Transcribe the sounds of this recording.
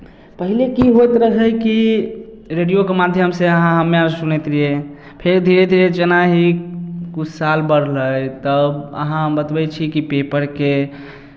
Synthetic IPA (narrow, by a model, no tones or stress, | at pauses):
pəɦilekiɦojt̪ɾəɦəjki | ɾeɖijokemad̪ʱjəmseəɦãɦəmːeasunɛt̪ɾije | pʰeɾd̪ʱiɾed̪ʱiɾet͡ʃənaɦikut͡ʃʰsalbəɽləjt̪əbə̰ɦãɦmbət̪bɛt͡ʃʰikipepəɾke